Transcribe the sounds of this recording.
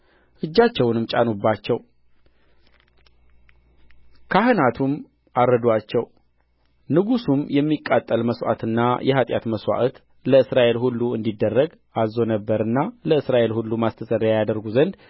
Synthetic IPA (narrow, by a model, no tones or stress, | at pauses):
ʔɨd͡ʒːat͡ʃːɛwnɨmt͡ʃʼanobːat͡ʃːɛw | kʰahɨnat̪ʰum | ʔaɾəd̪wat͡ʃːɛw | nɨɡusumjɛmːikʼːat̪ʼːəlməswa̰t̪ɨnːajɛɦat̪ʼja̰t̪məswa̰ʔt̪ | ləɨsɾaʔe̞lhulːuɨnd̪id̪ːərːəɡ | ʔazo̞nəbːəɾɨnːaləɨsɾaʔe̞lhulːumast̪ʰəsʼəɾjajad̪əɾɡuzənd̪